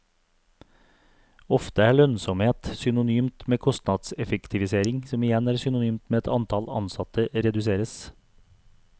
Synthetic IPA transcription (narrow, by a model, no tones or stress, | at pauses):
ɔft̪əæːɭœnsɔmheːt̪sʏnʊnyːmt̪meːkʰɔst̪nɑd̪sɛfəkt̪ʰɪʋɪseːɾɪŋsɔmɪjɛnæːɾsʏnʊnyːmt̪meːɛt̪ʰɑnt̪ʰɑlɑ̰nsɑt̪əɾɛd̪ʉseːɾəs